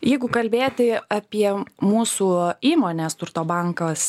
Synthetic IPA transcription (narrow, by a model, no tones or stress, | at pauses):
jɛɪɡʊkɐlʲbʲeːt̪ʲɪɐpʲiɛmuːsuːiːmoːnʲeːst̪ʊrt̪oːbɑŋkɐs